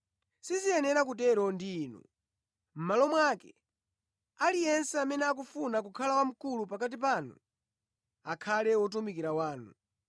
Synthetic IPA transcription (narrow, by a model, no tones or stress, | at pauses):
sizijɛnɛɾak̬ut̬ɛɾɔndiːnṵ | m̩malɔmwakɛ | alijɛnsɛamɛnɛak̬ufunak̬ukʰalawam̩kulupak̬at̬ipanṵ | akʰalɛwɔt̬umikiɾawaːnṵ